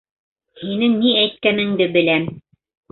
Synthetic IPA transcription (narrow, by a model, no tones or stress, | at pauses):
hinɘŋniæjt̪̚kænɘ̆ŋd̪ɘbɘ̆læm